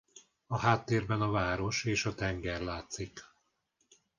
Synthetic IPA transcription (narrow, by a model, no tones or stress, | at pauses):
ɒɦaːt̪ːeːrbɛnɒvaːɾo̞ʃeːʃɒt̪ɛŋɡɛrlaːt̪sik